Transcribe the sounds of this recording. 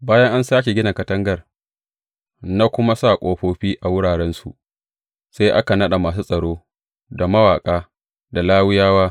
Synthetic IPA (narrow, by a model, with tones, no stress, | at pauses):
baː˦jɐ˦ŋʔa˦nsaː˦k̬ʲe˨ɡʲɪ˦na˨kɐ˦tɐ˦ŋɡɐ˦˨r | na˦kʷʊ˦ma˦saː˦˨kʷʼoː˦ɸoː˦ɸiː˦ʔa˨wʊ˦ɽaː˨ɽɛ˦nsu˨ʔ | sa˦jʔa˦ka˨nɐ˦ɗa˨maː˨s̬uː˦sʼɐ˨ɽoː˦ | da˨mɐ˦waː˨kʼaː˦ | da˨laː˦wɪ˦jaː˦waː˦